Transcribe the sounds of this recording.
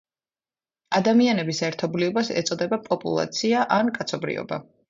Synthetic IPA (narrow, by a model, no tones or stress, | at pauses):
ad̪amianɛbisɛɾt̪ʰɔbliɔbasɛ̰t̪sʼɔd̪ɛbapʼɔpʼṵlˠa̰t̪sʰiaʔankʼat̪sʰɔbɾḭɔ̰ba̰